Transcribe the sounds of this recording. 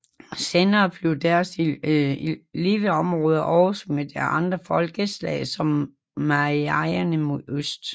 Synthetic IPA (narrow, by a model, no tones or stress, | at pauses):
seːnɐːb̥le̝ʊd̥æɐs | liːʋəɒmʁɔːð̞ˠɐʔɒʊsmed̥æɐɑ̈nd̥ʁɐfɒ̽lɡ̥əslɛ̰ɪsɒ̽mː | ɑʁiɑɪɐnəmoðˠøsd̥